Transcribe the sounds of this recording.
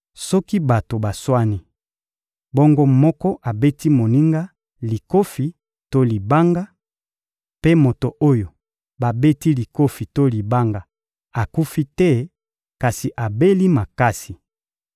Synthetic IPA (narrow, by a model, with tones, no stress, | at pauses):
sɔ˦ki˦ba˨to˨ba˨swa˦ni˦ | bɔ˦ŋɡo˦mɔ˦kɔ˦ʔa˨be˦ti˦mo˨ni˦ŋɡa˦ | li˨ko˦fi˦ | to˦li˨ba˦ŋɡa˦ | pe˦mo˨to˨ʔo˦jo˨ | ba˨be˦ti˦li˨ko˦fi˨to˦li˨ba˦ŋɡa˨ | a˨ku˦fi˦tɛ˦ | ka˨si˨ʔa˨be˦li˦ma˨ka˦si˨